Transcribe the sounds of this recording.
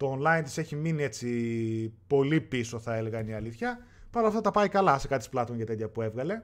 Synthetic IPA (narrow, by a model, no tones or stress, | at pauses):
t̪o̞ːnlɐint̪i̥se̞çiminie̞t͡si | po̞lipiso̞θɐe̞le̞ɣɐniɐliθçɐ | pɐnoɐft̪ɐt̪ɐpɐikɐlɐsekɐt̪ʰisplɐt̪onʝɐt̪et̪çɐpue̞vɣɐle̞